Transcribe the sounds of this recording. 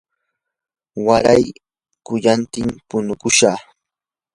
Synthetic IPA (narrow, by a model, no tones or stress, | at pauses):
waɾaj | kʊʎant̪ɪmpʊnʊkʊʃa